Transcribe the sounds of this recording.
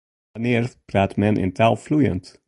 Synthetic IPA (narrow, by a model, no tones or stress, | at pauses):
aneːrpɾaːtmɛnʔɪ̰ntʰalˠflujə̰nt